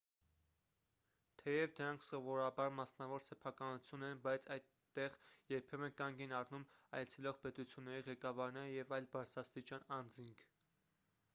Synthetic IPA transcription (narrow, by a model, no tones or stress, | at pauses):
t̪ʰɛjɛvd̪əɾɑŋkʰsɔvɔɾɑbɑɾmɑsnɑvɔɾsɛpʰɑkɑnut͡sʰjunɛnbɑjt͡sʰɑjt̪ːɛʁjɛɾpʰɛmɛkɑŋɡɛnɑrnumɑ̰jt͡sʰɛlɔʁpɛt̪ut͡sʰjunːɛɾiʁɛkɑvɑɾnɛɾəjɛvɑjlbɑɾt͡sʰɾɑst̪it͡ʃjɑnɑnd͡ziŋkʰ